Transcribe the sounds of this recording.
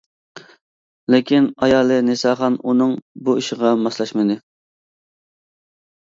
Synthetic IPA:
lɪkʲʰinɑjɑːlˠɨnesɑːχɑnunɨŋbuiʃɪʁɑmɑslˠɑʃmɨd̪ɪ

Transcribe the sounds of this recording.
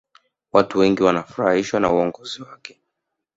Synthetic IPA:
watuwɛŋɡiwanafuɾahiʃwana̰uɔŋɡɔziwakɛ̥

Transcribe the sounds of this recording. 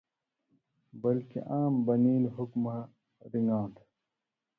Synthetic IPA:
bɐlkḛʔaːmbɐniːlɦukma | ɾiŋɡãːt̪ʰ

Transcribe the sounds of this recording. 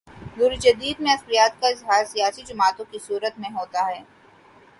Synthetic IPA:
d̪uːɾid͡ʒɐd̪iːd̪mẽɐspɾijaːt̪kaɪzɦaːɾsijaːsid͡ʒʊmaːt̪õkisuːɾət̪mẽɦoːt̪aɦɛː

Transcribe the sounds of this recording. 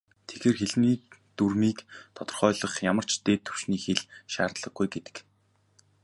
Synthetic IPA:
t̪ʰe̥ɣeːrxeɮmiːt̪urmiːkt̪ʰɔt̪ɞ̆rχœːɮə̆χjamə̆r̥t͡ɕt̪eːt̪ʰːɵ̥w̥ʃniːxeɮʃaːrt̪ɮə̆ɡujɡet̪ɘ̥̆k

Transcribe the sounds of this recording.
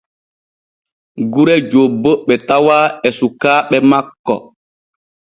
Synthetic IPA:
ɡuɾɛd͡ʒobːoɓɛtawaːɛsukaːɓɛmakːɔ̰

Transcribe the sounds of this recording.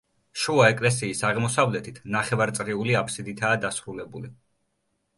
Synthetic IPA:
ʃuaɛkʼlɛs̬iːsaʁmɔsavlɛt̪ʰit̪ʰnaχɛvaɾt̪sʼɾiuliapʰsid̪it̪ʰaːd̪asɾulɛbuli

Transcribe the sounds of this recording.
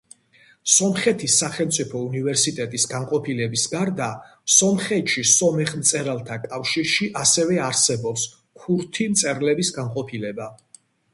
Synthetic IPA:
sɔmχɛt̪ʰisːaχɛlˠmt̪sʼipʰɔunivɛɾsit̪ʼɛt̪ʼisɡanqʼɔpʰilɛbisɡaɾd̪a | sɔmχɛt̪ʃisɔmɛχmt̪sʼɛɾalˠt̪ʰakʼafʃiɾʃiʔasɛvɛaɾsɛbɔps | kʰuɾt̪ʰimt̪sʼɛɾlɛbisɡanqʼɔpʰilɛba

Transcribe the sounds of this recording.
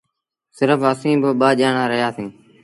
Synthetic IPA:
sɪɾəfəsĩːbɪɓaːʄaːɳaːɾəɦjaːsĩː

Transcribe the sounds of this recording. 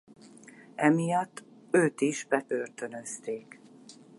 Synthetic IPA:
ɛmijɒt̪ːøːt̪iʒbɛp̪ørt̪ø̞nø̞st̪eːk

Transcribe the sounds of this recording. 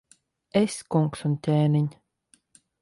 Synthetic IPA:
esʲkuŋksunt̪ʲeːniɲʲ

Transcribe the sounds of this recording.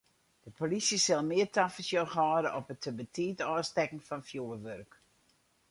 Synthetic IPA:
d̥əpolisəsɪlˠmɪərtʰafəsjəxɔːɾəʔɔpətʰəbətʰiːtɔːstɛkən̩fɑnfjuərʋørk

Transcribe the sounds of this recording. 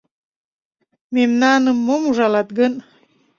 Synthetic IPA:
memnɑnəmːomuʒɑlɑt̪̚ɡən

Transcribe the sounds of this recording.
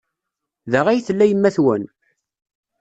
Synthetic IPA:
ðəʁæjθəlːæjəmːæθwə̰n

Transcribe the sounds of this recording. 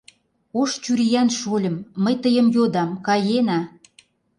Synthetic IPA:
oʃt͡ɕyɾijænʃolʲə̆mːəjt̪əjə̆mjod̪ɑmkɑjenɑ

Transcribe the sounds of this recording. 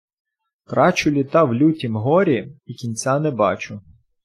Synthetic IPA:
k̪ɾɑt͡ʃʊlʲit̪ɑwlʲutʲimɦɔɾʲiikʲinʲt͡sʲanɛbɑ̰t͡ʃʊ

